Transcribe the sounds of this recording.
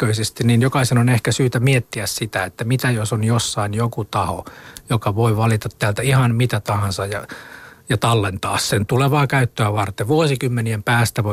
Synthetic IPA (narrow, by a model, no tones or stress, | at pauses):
øisest̪inninjokɑisenonehkæsyːt̪æmiet̪ːiæssit̪æet̪ːæmit̪æjosonjosːɑinjokut̪ɑho̰jokɑʋoiʋɑlit̪ɑt̪teæːlt̪æihɑnmit̪æt̪ɑhɑnsɑjjɑjɑt̪ɑlːent̪ɑːssent̪uleʋɑːkæyt̪ːøæʋɑrt̪eʋuosikymːeniempæːst̪æʋo